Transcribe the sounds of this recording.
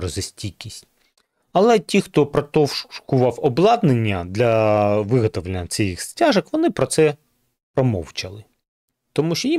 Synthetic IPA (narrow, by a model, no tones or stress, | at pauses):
ɾɔzɪsʲtʲikʲisʲtʲ | ɐlˠɛtʲixt̪ɔpɾɔt̪ɔwʃkʊʋɑwɔblˠɑd̪nenʲːɐd̪lʲɐʋɪɦɔt̪ɔʋlenʲːɐt͡sʲɛjixsʲtʲaʒɐkʋɔnɪpɾɔt̪sɛ | pɾɔmɔ̰wt͡ʃɐlˠɪ | t̪ɔmuʃt͡ʃɔji